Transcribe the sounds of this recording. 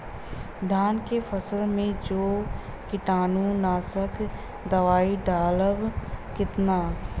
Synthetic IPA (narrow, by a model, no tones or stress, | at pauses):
d̪ʱjaːnkefəsəlmẽd͡ʒoː | kɪʈaːnũnaːsək | d̪əʋaːiɖaːləʋkɪt̪naː